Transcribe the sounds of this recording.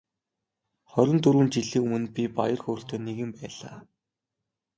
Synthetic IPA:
χɔɾʲɪ̆nt̪uɾwɘ̆nt͡ɕiɮiːŋumɵ̆npʲipajə̆rxoːr̥t̪oːneɣɘ̆mpæːɮ̥aː

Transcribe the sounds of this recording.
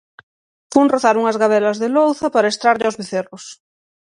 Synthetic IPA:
punroθaɾuŋɐzɣaβ̞ɛlɐzðelowθapaɾaest̪ɾaɾʎawzβeθerʊs

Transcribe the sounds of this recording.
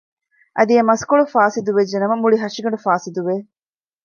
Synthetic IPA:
ʔɐd̪iɐmɐskoɭufaːsid̪uʋeːenɐmɐmuɭiɦɐʂiɡɐɳɖufaːsid̪uʋeː

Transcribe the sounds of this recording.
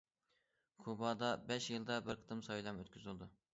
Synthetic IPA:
kʰubɑd̪ɑbɛʃjɨlˠd̪ɑbɪɾqʰə̥t̪ɨmsɑjlˠɑmøt̪kʲʰyzɪlˠd̪u

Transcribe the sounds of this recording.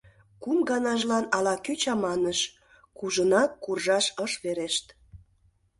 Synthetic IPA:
kumɡɑnɑʒlɑnɑlɑkyt͡ɕɑmɑnəʃ | kuʒənɑkːurʒɑʃəʃβeɾeʃt̪

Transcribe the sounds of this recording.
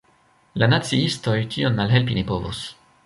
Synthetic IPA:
lanat͡siisto̞jtionmalɦe̞lpinipo̞vo̰s

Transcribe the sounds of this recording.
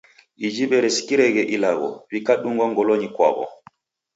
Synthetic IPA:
ʔid͡ʒiɓɛɾɛskiɾɛɡɛʔilaɡɔ̰wikaɗuŋɡɔŋɡɔloɲikwa̰bɔ̰

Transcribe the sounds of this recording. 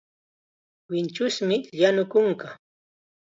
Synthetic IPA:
wɪnt͡ʃʊsmɪʎanʊkʊŋka

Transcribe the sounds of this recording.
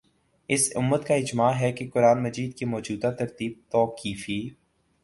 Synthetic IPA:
ɪsʊ̰mːət̪kaɪd͡ʒmaːɦɛkekʊɾaːnmɐd͡ʒiːd̪kemɔːd͡ʒuːd̪at̪ɐɾt̪iːb̚t̪ɔːkiːfiː

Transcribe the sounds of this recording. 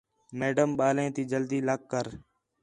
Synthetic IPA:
meːɖəmɓaːlẽːt̪iːd͡ʒəld̪iːləkːəɾ

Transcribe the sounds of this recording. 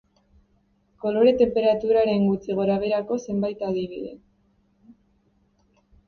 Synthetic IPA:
ko̞lo̞ɾe̞t̪e̞mpe̞ɾat̪uɾaɾe̞ŋɡut͡siɣ̞o̞ɾaβ̞e̞ɾako̞se̞mbajt̪að̞iβḭðe̞̰

